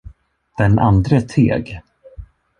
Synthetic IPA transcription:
d̪̥ɛnʔa̰nd̪ɾət̪ʰḛːɡ

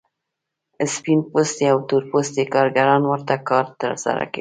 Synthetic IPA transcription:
ɪspinpost̪eawt̪uɾpost̪ekɑɾɡaɾɑnwəɾt̪akɑɾt̪ə̰ɾsa̰ɾa̰ka̰

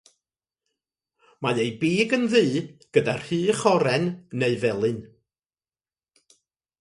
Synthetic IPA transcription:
majejbiːɡənðiːɡ̥ədarhɨːχɔɾɛnneɨvɛlˠɨn

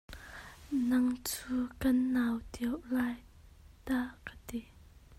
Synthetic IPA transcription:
naŋt͡sʰukənːawt̪ewlaj | t̪akət̪e

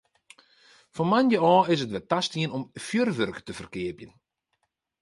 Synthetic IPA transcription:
fɔnmanjəɔːɪs̬ətʋɛtastiənɔmfjørʋørkə̥təfərkɪəpjən

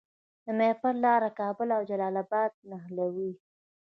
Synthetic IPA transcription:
d̪əmepaɾlɑɾakɑbʊlawd͡ʒalɑlabɑd̪̚naɦlawi

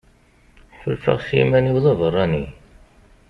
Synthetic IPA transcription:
ħəlfə̰ʁsḭmæniwðˤævərˤːɑni

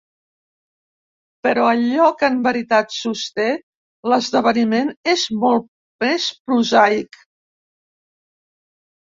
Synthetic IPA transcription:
pəɾɔəʎɔkəmbəɾit̪at̪sust̪e | ləzðəβənimenezmɔlˠ | mespɾuzajk

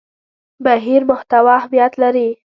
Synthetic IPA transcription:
baɦiɾmʊht̪awɑhamjat̪laɾi

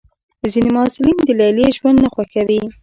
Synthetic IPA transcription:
zinemʊasɪlind̪əlajleʒwand̪naxwaxawi

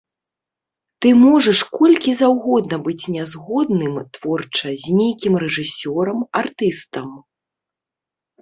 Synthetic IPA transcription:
t̪ɨmɔʐɐʂkɔlʲkʲizawɣɔd̪nɐbɨt͡sʲnʲazɣɔd̪nɨmt̪vɔrt͡ʂɐzʲnʲejkʲimɾɛʐɨsʲɔɾɐmart̪ɨst̪ɐm

